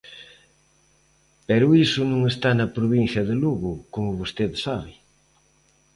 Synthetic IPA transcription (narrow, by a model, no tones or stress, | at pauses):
pɛɾʊisʊnũŋest̪anɐpɾoβin̟θjɐðeluɣʊkomʊβost̪eðsaβɪ